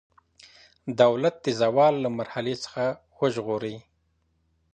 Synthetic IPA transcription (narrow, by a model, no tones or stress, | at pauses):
d̪awlat̪̚d̪ezawɑlːamaɾhalet͡sə̥xa | wəʒɣoɾi